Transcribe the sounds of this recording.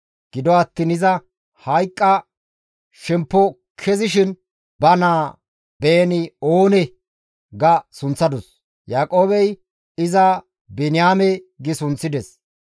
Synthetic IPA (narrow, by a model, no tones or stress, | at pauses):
ɡ̥ɪd̪ɔɐt̪ːiːnɪzɐ | hɐjkʼːɐ | ʃɛmpːɔ | kʰɛzɪʃɪn | bɐnaː | beːnɪoːnɛ | ɡɐsʊnt͡sːɐd̪ɔs | jaːkʼo̞ːbɛj | ɪzɐ | bɛnɪjaːmɛ | ɡɪsʊnt͡sːɪd̪ɛs